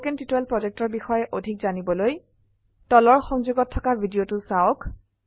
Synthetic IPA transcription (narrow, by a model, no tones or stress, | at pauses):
kɛntitɛlpɹɔzek̚tɔɹbixɔjɛʔodʱikzanibɔloj | tɔlɔɹxɔŋzuɡɔtʰːɔkabʱidijotʊsaɔk